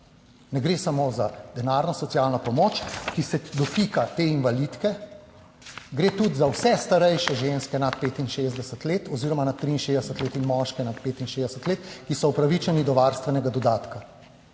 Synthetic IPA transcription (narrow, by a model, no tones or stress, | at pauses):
nɛɡɾeːsamozad̪ɛnaɾnɔsɔsjalnɔpɔmot͡ʃkisɛd̪ɔfikat̪eːinʋalit̪kɛ | ɡɾeːt̪ud̪zawsɛst̪aɾɛjʃɛʒenskɛnat̪̚peːt̪inʃezd̪ɛsət̪leːt̪ɔziːɾɔmanat̪ːɾiːnʃeːzd̪ɛsət̪leːt̪inmɔʃkɛnat̪̚peːt̪inʃeːzd̪ɛsət̪leːt̪kisɔupɾaʋit͡ʃɛnid̪ɔʋaɾst̪ʋɛnɛɡad̪ɔd̪aːt̪ka